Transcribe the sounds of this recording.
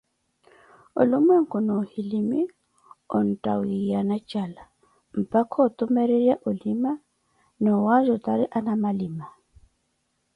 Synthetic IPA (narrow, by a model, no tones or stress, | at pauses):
ʊ̰lʊmwɛŋ̩kʊnɔhilimi | ɔ̰n̩tʼa̰wijanat͡ʃʼala | m̩pʼakʰɔt̪ʼʊmɛɾeɾjaʔʊlima | nɔwaʒɔt̪ʼaɾiʔanamalima